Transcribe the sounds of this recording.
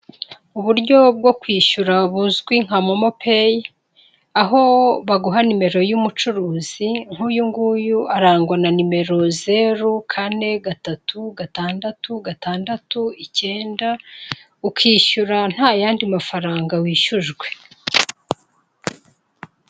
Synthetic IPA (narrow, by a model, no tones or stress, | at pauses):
uβuɾɟo̞b̚ɡo̞kwiːʃuɾaβuzɡwiŋ̥hamomo̞peje | aɦo̞βaɡuɦanime̞ɾo̞jumut͡ʃuɾuːz̥iŋ̥ujuŋɡuːjuʔaɾaːŋɡwananime̞ɾo̞ze̞ɾukʰane̞ɡatatuɡataːndatuɡataːndatuice̞ːnda | ukiːʃuɾan̥haːjaːndimafaɾaːŋɡawiːʃuʒɡwe̞̥